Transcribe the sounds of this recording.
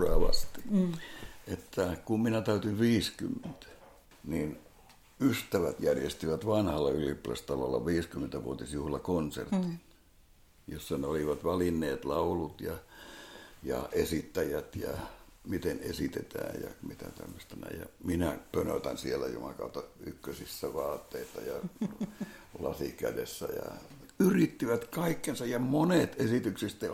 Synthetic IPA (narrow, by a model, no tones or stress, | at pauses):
ɑːʋɑ̰st̪i̥ | et̪ːækumminæt̪æyt̪iʋʋiːskymːent̪æ̥ | nin | yst̪æʋæt̪jærjest̪iʋæt̪ʋɑnhɑlːɑyliplæ̰st̪ɑlo̰lːɑ̰ʋiːskymːent̪æʋuot̪isjuhlɑkonsḛrt̪in | josːɑneoliʋɑt̪ʋɑlinːeːt̪lɑulut̪jɑ | jɑesit̪ːæjæt̪jɑmit̪enesit̪et̪æ̰ːjjɑ̰mit̪æt̪æ̰mːøst̪ɑnæ̰ijɑminæpønø̰t̪ænsielːˑæjo̰mɑkɑut̪ːɑykːøsisːæʋɑːt̪ːeisɑjɑ | lɑ̰sikædesːæ̰jɑ̰ | yrit̪ːiʋæt̪kɑikːensɑjjɑmonet̪esit̪yksist̪